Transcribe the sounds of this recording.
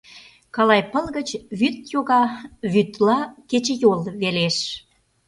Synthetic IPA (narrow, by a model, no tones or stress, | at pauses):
kɑlɑjpəlɣət͡ɕβyt̪joɣɑβyt̪lɑket͡ɕə̆jolβeleʃ